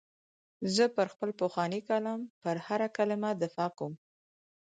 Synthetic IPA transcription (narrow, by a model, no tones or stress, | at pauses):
zəpəɾxpəlpoxwɑnikalɑmpəɾhaɾakəlamad̪ɪfɑkowm